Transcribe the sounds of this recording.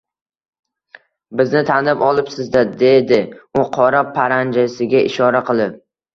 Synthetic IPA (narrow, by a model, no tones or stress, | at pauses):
bɪznɪt̪ʰanlɪpɒlˠɪpsɪzd̪ad̪e̞d̪ɪʊqʰɒɾapʰaɾand͡ʒasɪɡʲaʔɪʃɒɾaqʰɨlˠɪp̚